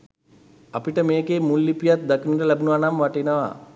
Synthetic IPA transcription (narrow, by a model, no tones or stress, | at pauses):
apiʈəmeːɡeːmulːipijat̪̚d̪akiniɾəlæbunuʋanamʋaʈenəʋa̰